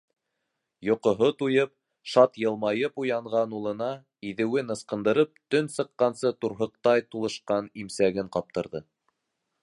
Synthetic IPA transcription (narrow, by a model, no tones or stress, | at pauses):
jŏqŏɦot̪ujɤp̚ | ʃɑt̪jɤ̆lˠmɑjɤpujɑɴʁɑnulˠɤ̆nɑ | iðɘ̆wɘnɤ̆sqɤ̆nd̪ɤ̆ɾɤp̚t̪ɵnsɤ̆qːɑnsɤt̪uɾɦɤ̆q̚t̪ɑjt̪ulˠɤ̆ʃqɑnimsæɡɘɴqɑp̚t̪ɤ̆ɾðɤ